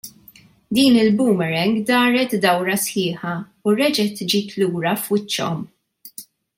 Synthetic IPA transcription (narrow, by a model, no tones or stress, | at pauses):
d̪iːnɪlbuːmɛɾɛŋɡd̪ɐːɾɛt̪d̪ɐwɾɐsħɪːħɐ | uɾɛd͡ʒɛt̪d͡ʒiːt̪luːɾɐfwɪt͡ʃːɔ̰m